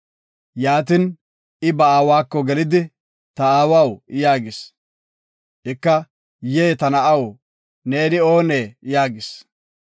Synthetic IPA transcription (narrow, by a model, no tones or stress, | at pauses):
jaːt̪ɪn | ɪbɐaːwaːkːɔɡɛlɪd̪ɪ | t̪ɐaːwawjaːɡɪs | ʔɪkːɐ | jeːt̪ɐnɐɐw | ne̞ːnɪo̞ːneːjaːɡɪs